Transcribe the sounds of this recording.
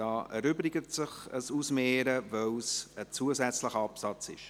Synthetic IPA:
ɑːɛɾʏbɾɪɡətsɪχəsusmeːɾəvœwsət͡suəzɛt͡sləχəɑpsɑt͡sɪ̰ʃ

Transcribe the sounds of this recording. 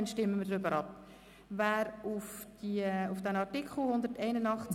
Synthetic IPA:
nʃtɪmːəmədɾʏbəɾʔɑp̚ | væːɾʊfd̥iʊfd̥ɛnɑrtikχl̩hʊndəɾtɛɪnənɑχt͡s

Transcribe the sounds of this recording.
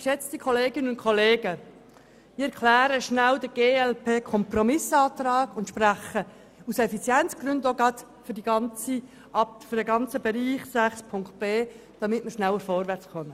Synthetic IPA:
ʃɛt͡std̥ikʰoleːɡɪnənʊntkʰɔleːɡə | miɛɾkʰlæːɾəʃnældəɡ̥eːɛlpʰeːkʰɔmprɔmɪsɑːt̪rɑːɡʊntʃpræχə | usɛfit͡sjɛnt͡sɡ̥ɾʏndoɡɑt̪ | fʏɾdiɡɑnt͡si | ʔɑptfʏɾdɛɡɑnt͡səbɛɾiːχsæχspʰʊŋkt̚b̥eː | d̥ɑmɪtməɾʃnæwəɾfɔɾʋæɾt͡sχœmə

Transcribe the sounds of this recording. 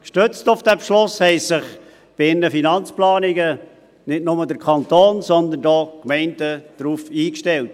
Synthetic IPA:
kʃtøt͡stʊfd̥ɛpʃlʊshɛɪsɪχ | b̥ɪɪnːəfinɑnt͡splɑːnɪɡə | nɪtnʊmədəɾkʰɑntoːnsɔnd̪əndɔːkmɛɪndəd̥ɾuːfiːkʃtɛlt̚

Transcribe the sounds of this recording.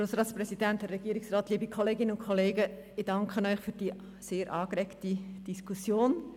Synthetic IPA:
ɾoːsɾɑːtt͡sprɛsidæntɛrːɛɡiəɾɪksrɑːtliːbikʰɔleːɡɪnəʊnkʰɔleːɡə | ɪd̥ɑŋkʰχənœʏχfyːɾd̥iː | seːɾʔɑːkrɛktid̥iskʰusjoːn

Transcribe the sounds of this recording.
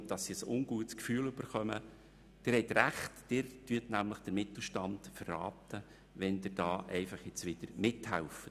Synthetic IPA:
d̥ɑsːiəsʊnɡuətskfyːəløb̥əɾχœmə | d̥ɪːɾhɛtɾæχtd̥ɪːɾtyətnæmləχd̥əɾmɪt̪l̩ʃtɑntfərːɑ̰ːt̪ə | ʋɛnd̪ɪɾd̥ɑːʔɛɪfɑχjɪt͡sʋɪd̥̪əɾmɪthælfət

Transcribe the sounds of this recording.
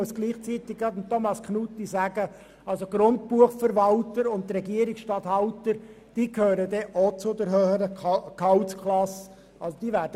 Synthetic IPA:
əsɡ̥liːχt͡sit̪ɪk̚ɡɑt̪nt̪ʰːomɑsknut̪isæːɡə | ɑlsoɡ̥ɾʊnt̚puəχfəɾʋɑltəɾʊntːɾɛɡiəɾiksʃtɑt̪hɑwtəɾ | d̥iːkʰhøːɾəd̪ɛʔot͡sʊd̪əɾɦøːχəɾəkʰɑwt͡skʰlɑs | ɑlsod̥̪iːʋæːɾdə

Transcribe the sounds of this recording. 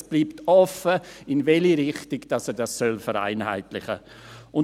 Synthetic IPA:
sb̥liːptɔfəɪnvɛliɾɪχtɪɡd̥ɑsɛdassœlfəɾa̰ɪnha̰ɪtlɪχə̰ | ʔʊn

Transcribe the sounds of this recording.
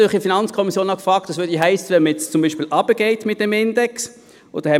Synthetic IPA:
χifinɑnt͡skʰɔmisjoːnɑkfʁɑːk̚td̥ɑsʋøːɐdiɦæɪsəʋɛnməjɛt͡st͡sʊmbiːʃpiːlʔɑb̥əɡ̥eɪtmɪt̚d̥ɛmɪndɛks | o̰ːdəhɛ

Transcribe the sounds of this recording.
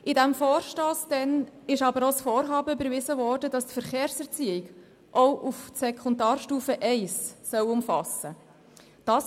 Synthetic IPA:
ɪdæmfoːɾʃtoːsd̥ɛnɪʃɑbəɾosfɔːɾɦɑːbəbəɾvɪzəvɔːɾdədɑstfəɾχeːɾsɛʁt͡siɪɡ | ʔɔʊʔufsɛkʰɔndɑːrʃtuːfəʔɛɪssœwʊmfɑsə | d̥ɑːs

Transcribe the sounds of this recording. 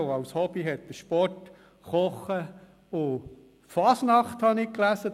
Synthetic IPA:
ɑwshɔb̥iɦɛt̪̚d̥̪əʃpɔrt | χɔχːə | ʊ | fɑsnɑχt̪hɑnɪklæsə

